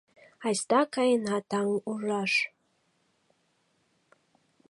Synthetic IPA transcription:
ɑjst̪ɑkɑjenɑt̪ɑŋuʒɑʃ

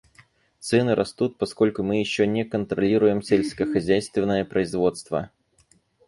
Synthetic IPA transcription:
t̪sɛnɨɾʔɐst̪ut̪̚pɐsko̞lʲkʊmɨjɪɕːonʲɛkənt̪ɾɐlʲiɾʊjɪmsʲelʲsʲkəxɐzʲæjst̪vʲɪnːəjəpɾəɪzvo̞t̪st̪və̰

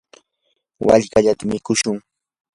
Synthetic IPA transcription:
wa̰ʎɢaʎat̪amɪkʊʃʊŋ

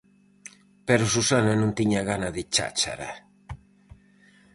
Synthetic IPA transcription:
pɛɾʊsusananõnt̪iɲaɣanaðɪt͡ʃa̰t͡ʃa̰ɾa̰

